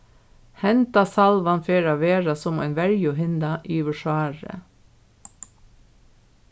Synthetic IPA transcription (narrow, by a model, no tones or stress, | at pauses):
hɛnt̪ɑsɑlʋɑnfeːɹɑːʋeːɹɑsɔmḛːnʋæɹjʊhɪnd̪ɑʔiːʋəʃæːɹə̰